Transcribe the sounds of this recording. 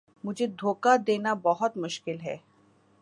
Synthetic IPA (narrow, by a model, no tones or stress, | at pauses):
mud͡ʑed̪ʱokad̪enabɔɦot̪muʃkilɦɛ̰